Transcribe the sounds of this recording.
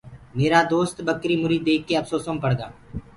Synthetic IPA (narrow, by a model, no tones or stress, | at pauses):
meːɾad̪oːst̪bəkɾimʊɾiːd̪ːeːkːeɐfsoːsompəɽɡaː